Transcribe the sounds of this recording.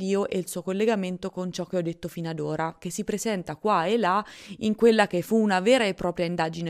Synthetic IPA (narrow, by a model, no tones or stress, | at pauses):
d̪iːoʔɛilsuːokolːeɡament̪okont͡ʃɔk̟ːeɔd̪ːet̪ːofinad̪oːɾak̟esːipɾezɛnt̪akwaelːaḭŋkwelːakefuːnavɛːɾaepːɾɔːpɾjaind̪ad͡ʒine